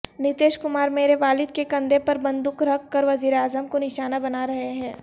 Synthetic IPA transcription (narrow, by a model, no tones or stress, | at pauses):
nɪt̪eːʃkʊmaːɾmeːɾeʋaːlɪd̪kekɐ̃nd̪epɐɾbɐ̃nd̪ʊkɾɐkːɐɾʋɐziːɾeaːzəmkonɪʃaːnabɐnaɾɐɦeɦɛ̃ː